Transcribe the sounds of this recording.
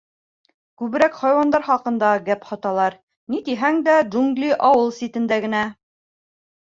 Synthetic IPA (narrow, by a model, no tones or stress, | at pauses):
kʉβɘ̆ɾækχɑjwɑnd̪ɑɾχɑqɤ̆nd̪ɑɡæphɑt̪ɑlˠɑɾ | nit̪iɦæŋd̪æd͡ʒuŋɡlʲiʔɑwɤlˠsʲit̪ɘ̆nd̪æɡɘ̆næ